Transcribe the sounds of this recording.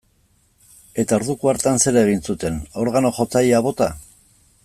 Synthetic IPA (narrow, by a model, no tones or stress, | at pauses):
e̞t̪ao̞ɾðukuaɾt̪anse̞ɾeɣ̞insut̪e̞no̞ɾɣano̞ʝo̞t͡sajaβ̞o̞t̪a